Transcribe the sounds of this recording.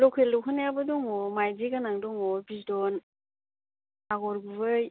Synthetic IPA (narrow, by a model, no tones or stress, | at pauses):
lɔkʰelɔɦʰɯnabɯdɔŋɔmajdiɡanaŋdɔŋɔbizdɔn | aɡɔɾɡubɯj